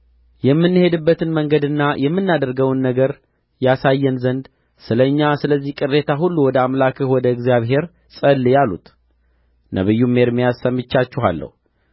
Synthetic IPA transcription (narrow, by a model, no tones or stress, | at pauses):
jɛmːɨnːɨhe̞d̪ɨbːət̪ʰɨnməŋɡəd̪ɨnːajʔɛmːɨnːad̪əɾɡəwnːəɡəɾ | jasajːɛnzənd̪ | sɨləɲːasɨləzːihkʼɨrːe̞t̪ʰaɦulːuwɔd̪əamlakʰɨhwɔd̪əɨɡzijaβɦe̞ɾ | sʼəlːjalṵt̪ | nʔə̰βɨjːumːe̞ɾmijasəmːɨt͡ʃːat͡ʃːuɦa̰lːə̰hu